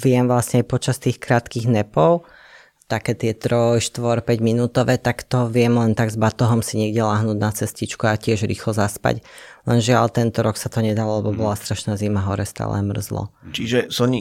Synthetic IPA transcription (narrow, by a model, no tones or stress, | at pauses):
ʋɪɛmʋlasɲɛajpɔt͡ʃast̪iːxkɾaːt̪kiɣnɛpɔʊ | t̪akɛːt̪ɪɛt̪ɾɔjʃt̪ʋɔɾpɛɟminuːt̪ɔʋɛːt̪akt̪ɔʋɪɛmlɛnt̪aɡzbat̪ɔɦɔmsiɲɪɛɡɟɛlaːɦnuːɟnat͡sɛscit͡ʃkuacɪɛʒɾḭːxlɔzaspa̰ɟlɛnʒɪalt̪ɛnt̪ɔɾɔksat̪ɔɲɛd̪alɔlɛbɔbɔlast̪ɾaʃnaːzimaɦɔɾɛst̪a̰ːlʔɛ̰mr̩zlɔ̰t͡ʃiʒɛsɔɲi